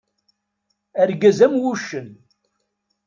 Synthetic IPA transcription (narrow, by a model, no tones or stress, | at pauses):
æɾɡæzæmwuʃːən